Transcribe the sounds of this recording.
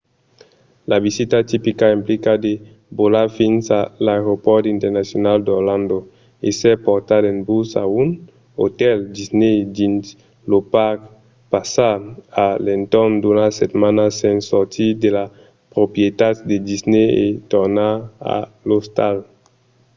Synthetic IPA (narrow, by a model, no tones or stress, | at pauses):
laβizit̪at̪ipikaimplikad̪e | bolafinsalaeɾopɔɾt̪int̪ɛɾnasjonald̪oɾlãnd̪o | esɛpoɾt̪adenbusa̰un | o̰t̪ɛld̪izned̪ins | lopak | pasaalent̪ɔnd̪unaset̪manasẽnsɔɾt̪ʰid̪ela | pɾopjet̪at̪̚d̪ed̪izneet̪oɾnaa̰ | lost̪al